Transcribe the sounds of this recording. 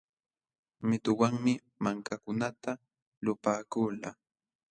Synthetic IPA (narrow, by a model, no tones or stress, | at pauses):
mɪt̪ʊwaŋmɪ | maŋkakʊnat̪a | lʊpaːkula